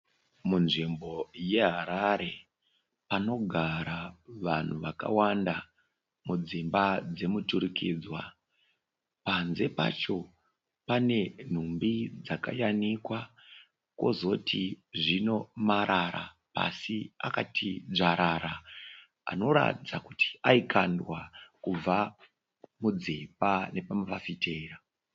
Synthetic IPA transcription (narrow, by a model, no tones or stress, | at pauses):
munʐimbo̞je̞ɦaɾaɾe̞ | pano̞ɡʱaɾaʋan̤uʋaka̰wanda | mud͡zimbad͡ze̞mutuɾikiːd͡zwa | panze̞pa̰t͡ʃo̞ | pane̞n̤umbid͡zaka̰janikwa | kwo̞̰zo̞tʰiʐino̞maɾʔaɾa | pa̰sia̰katʰiʐaɾaɾa | a̰no̞ɾa̰tid͡zakuti̥aikandwakub͡va | mud͡zipane̞pamaʋafitera